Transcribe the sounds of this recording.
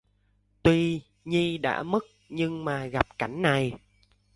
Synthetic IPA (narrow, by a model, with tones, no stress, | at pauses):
t̪wi˧ | ɲi˧ɗa̰ː˧˥mɨ˦˥k̚ɲɨ˧ŋmaː˨˩ɣa˨˩p̚ka˧˩jŋ̟na˨˩j